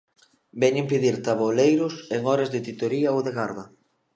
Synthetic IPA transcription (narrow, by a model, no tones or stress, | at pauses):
bɛɲimpeðiɾt̪aβolejɾʊseŋɔɾezðɪt̪it̪oɾiɐowðeɣaɾðɐ